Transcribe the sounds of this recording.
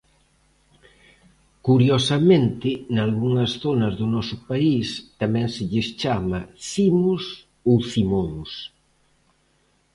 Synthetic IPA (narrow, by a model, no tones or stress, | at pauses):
kuɾjosɐmẽnt̪ɪnalɣuŋɐsθonɐzðʊnɔsʊpaist̪amɛ̃ŋsɪʎɪst͡ʃamɐsimus | owθimoŋs